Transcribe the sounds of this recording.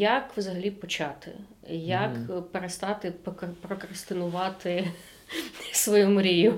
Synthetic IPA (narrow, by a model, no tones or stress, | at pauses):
jakʋzɐɦɐlʲipɔt͡ʃɑt̪ɪ̰ | jɐkpeɾest̪ɑt̪ɪppɾɔkɾɐst̪ɪnʊʋɑt̪ɪ | sʋɔjumʊɾʲijʊ